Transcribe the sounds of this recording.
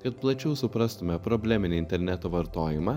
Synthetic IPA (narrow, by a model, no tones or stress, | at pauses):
kɐt̪̚plˠɐt͡ʃʲɛʊsʊpɾɐst̪ʊmʲɛpɾɔbʲlʲɛmʲɪnʲɪɪnʲt̪ʲɛɾʲnʲɛt̪oːʋɐɾt̪oːjɪmɑː